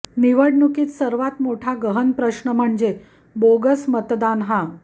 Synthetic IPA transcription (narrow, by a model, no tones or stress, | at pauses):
niʋəɽnukiːt̪səɾʋat̪moʈʰaɡəɦənpɾəɕɳəm̤əɳd͡ze | boɡəsmət̪d̪anɦa